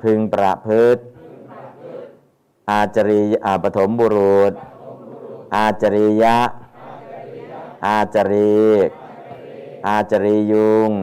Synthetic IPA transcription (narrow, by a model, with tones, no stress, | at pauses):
pʰɯ˧ŋpɾa̰˨ʔpʰɯ˦˥t̪̚ | ʔaː˧t͡ɕa˧ɾi˧ʔaː˧˩pa˧t̪ʰo˩˦mbo˧ɾu˨˩t̪̚ | ʔaː˧t͡ɕa˧ɾi˧ja˦˥ʔ | ʔaː˧t͡ɕa˧ɾiː˧k̚ | ʔaː˧t͡ɕa˧ɾiː˧ju˧ŋ